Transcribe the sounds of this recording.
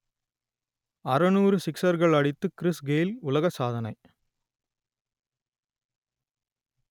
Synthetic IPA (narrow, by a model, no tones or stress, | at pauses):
ɐɾɐnuːɾɯsɪksɐɾɣɐɭɐɽɪt̪ːɯkɪɾɪsɡeːlʊlɐɣɐsaːðɐnɐɪ